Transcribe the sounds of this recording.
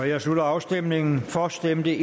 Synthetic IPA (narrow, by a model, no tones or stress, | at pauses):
ɒjɑ̈ɪslulɐɑ̈ʊsd̥em̰ne̝ŋn̩fɒsd̥emd̥əʔ